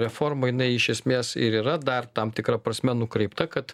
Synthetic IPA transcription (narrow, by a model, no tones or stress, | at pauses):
ɾʲɛfoːrmɐjɪnɐɪɪʃʲɛsʲmʲeːsɪ̰ɾiːɾɐd̪ɐrt̪ɐmt̪ʲɪkɾɐpɾɐsʲmʲɛnʊkɾʲɛɪpt̪ɐkɐt̪